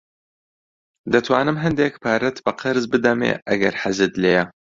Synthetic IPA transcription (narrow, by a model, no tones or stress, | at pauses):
d̪ɐt̪ʰwaːnɨmɦɐnd̪eːkpʰaːɾɐt̪bɐqʰɨɾzbɨd̪ɐmḛːʔɐɡɐɾħazɨd̪leːjɐ